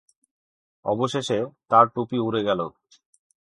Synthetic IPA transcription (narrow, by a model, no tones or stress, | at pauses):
ɔ̰boʃeʃet̪aɾʈupiuɾeɡɛlo